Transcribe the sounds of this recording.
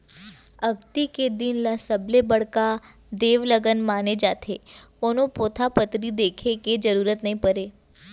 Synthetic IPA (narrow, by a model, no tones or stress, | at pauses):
əɡt̪iked̪inlasəblebəɽka | d̪eʋləɡənmaned͡ʒat̪ʰekonopot̪ʰapət̪ɾid̪ekʰeked͡ʒəɾuɾət̪nəɦĩpəɾe